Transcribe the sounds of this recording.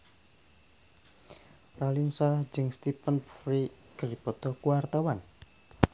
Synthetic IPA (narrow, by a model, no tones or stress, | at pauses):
ralinsḁd͡ʒəŋst̪ipənfri | ɡ̥əɾipɔd̪̥ɔhkuwart̪awan